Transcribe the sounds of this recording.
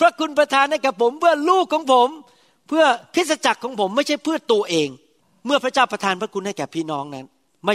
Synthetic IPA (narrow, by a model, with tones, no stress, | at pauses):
pʰɾa˦˥kʰu˧npɾa˧t̪ʰaː˧nha˥˩jkɛː˨˩pʰo˨˩˦mpɯ˥˩ɐluː˥˩kʰːɔː˩˦ŋpʰo˩˦m | pʰɯ˥˩ɐkʰɾi˦˥t̪̚sa˧t͡ɕa˨˩kʰːɔː˩˦ŋpʰo˩˦mːa˥˩jt͡ɕʰa˥˩jpʰɯ˥˩t̪u˧ɐʔeː˧ŋ | mɯ˥˩ɐpʰɾa˦˥t͡ɕaː˥˩wpɾa˧t̪ʰaː˧npʰɾa˦˥kʰu˧nha˥˩jkɛː˨˩pʰiː˥˩nɔː˦˥ŋna˦˥n | ma˥˩